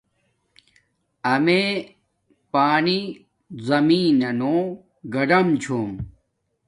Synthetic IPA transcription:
ɐme | paːni | zɐmiːnɐnoː | ɡɐɖɐmt͡ɕʰoːm

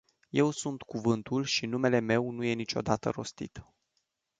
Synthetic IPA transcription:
je̞wsunt̪kuvɨnt̪ulʃinume̞le̞me̞wnuje̞nit͡ʃo̞̰d̪at̪ə̰ɾo̞̰st̪ḭt̪

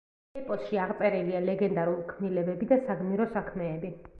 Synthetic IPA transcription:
ipʼɔsʃiaʁt̪sʼɛɾilialɛɡɛnd̪aɾulikʰmnilɛbɛbid̪asaɡmniɾɔsakʰmɛːbi

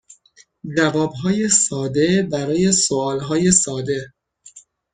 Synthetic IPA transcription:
d͡ʒævɒːbɦɒːjesɒːd̪e̞bæɾɒːje̞soɒːlɦɒːje̞sɒːd̪e̞

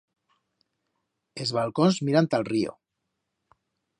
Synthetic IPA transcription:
ezβalkonzmiɾant̪alrio̰

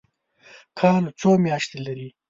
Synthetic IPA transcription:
kʰɑlot͡somjɑʃt̪elaɾi

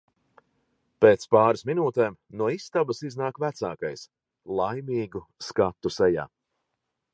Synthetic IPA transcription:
peːt̪spaːɾɨsminuːt̪eːmnuɔist̪abɐsiznaːkvæt̪sa̰ːkajs | lˠajmiːɡuskat̪ːusɛja̰ː

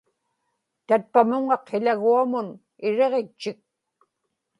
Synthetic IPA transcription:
t̪at̪̚pamʊŋɑqʰːeʎaɣuamʊn | ɪɻe̞ʁet͡ʃːɪk̚

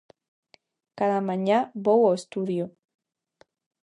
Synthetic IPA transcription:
kaðamãɲaβowoest̪uðjo

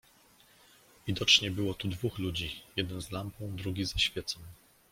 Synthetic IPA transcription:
vʲid̪ɔt͡ʂɲɛbɘwɔt̪ud̪vuxlud͡ʑijɛd̪ɛnzlampɔ̃w̃d̪ɾuɡʲizaɕfʲjɛt̪sɔ̃w̃

